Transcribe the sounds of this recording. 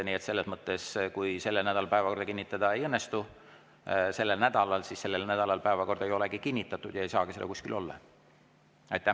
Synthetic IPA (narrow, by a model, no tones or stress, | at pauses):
niet̪se̞lːe̞smɤt̪ːˑe̞skujse̞lːenæd̪̥ɑlɑpæevɑko̞rd̪̥ɑkinʲːit̪ːˑɑd̪̥ɑe̞jɤnːest̪u | se̞lːelnæd̪̥ɑlɑlsisse̞lːelnæd̪̥ɑlɑlpæevɑko̞rd̪e̞jo̞leɡikinʲːit̪ːˑɑt̪ːˑud̪jɑejsɑːɡ̥iselːɑ̰kusʲkilʔo̞̰lːɑ̰ | ɑjt̪ːˑæ